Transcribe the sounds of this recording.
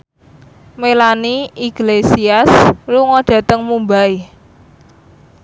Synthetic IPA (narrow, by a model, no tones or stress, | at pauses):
melaniiɡ̥lesiasluŋɔɖ̥ä̤t̪əŋmumbai